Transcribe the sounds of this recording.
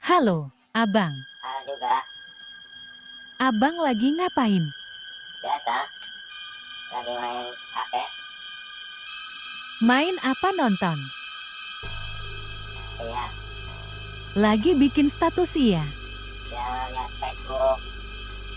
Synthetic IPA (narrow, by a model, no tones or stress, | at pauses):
halo | ʔabaŋhaduɡa | ʔabaŋlaɡiŋapaɪn | b̥at̪a | kanimai | ka̰pɛ | maɪnapanɔnt̪ɔn | ija | laɡibikɪnst̪at̪usia | jaajapɛskuɾo